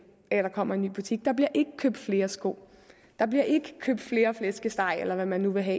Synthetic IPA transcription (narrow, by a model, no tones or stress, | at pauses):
æɾ̥ɑ̈kʰɒ̽m̰ɐe̝nːy̰ːb̥ut͡sʰiɡ̥̚d̥ɑ̈b̥liɐʔe̝ɡ̥əkʰøːb̥d̥fle̝ːɐsɡ̥o̝̰ | d̥ɑ̈b̥liɐʔe̝ɡ̥əkʰøːb̥d̥fle̝ːɐflesɡ̥əsd̥ɑ̈ɪ̰elɐʋæmænːuʋe̝ɦɛ̰